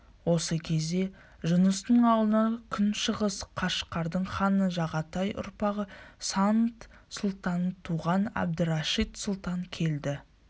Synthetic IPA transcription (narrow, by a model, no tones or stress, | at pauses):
wo̞səkʲʰe̞zd̪e̞ | ʒʊnəst̪əɴɑlˠənɑkʲʰʏnʃəʁəsqʰɑʃqːɑɾd̪əɴχɑnəʒɑʁɑt̪ɑjʔʊ̰ɾpɑʁəsant̪ | sʊlˠt̪ɑnt̪ʰuʁɑnæ̰b̚d̪ɪɾɑʃit̪sʊlˠt̪ɑŋkʲʰe̞ld̪ɪ